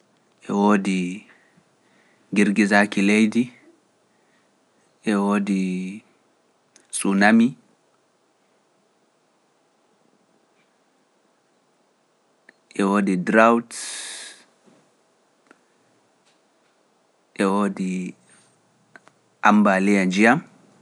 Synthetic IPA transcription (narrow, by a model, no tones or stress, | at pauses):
ʔɛwoːdi | ɡiɾɡizakilejdi | ʔɛwoːdi | sunami | ʔɛwoːdidɾawt | ʔɛwoːdi | ʔambalijad͡ʒijam